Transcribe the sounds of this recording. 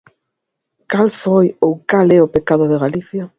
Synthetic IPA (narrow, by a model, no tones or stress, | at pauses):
kalfojowkalɛʊpekaðʊðeɣaliθja